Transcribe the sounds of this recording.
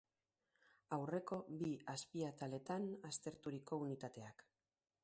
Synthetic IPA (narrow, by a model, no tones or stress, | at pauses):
awre̞ko̞biaspiat̪ale̞t̪anast̪e̞ɾt̪uɾiko̞unit̪at̪e̞ak